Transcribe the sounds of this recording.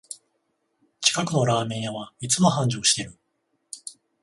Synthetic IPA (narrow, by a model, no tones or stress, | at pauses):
t͡ɕi̥kakɯ̟no̞ɾaːmẽ̞ɰ̃jaβait͡sɨmohãɲ̟d͡ʑo̞ːɕi̥t̪e̞ɾɯ̟